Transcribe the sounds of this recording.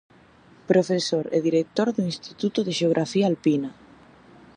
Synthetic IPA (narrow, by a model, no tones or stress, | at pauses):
pɾofesoɾḛðiɾek̚t̪oɾðoinst̪it̪ut̪oðeʃeoɣɾʔafialpina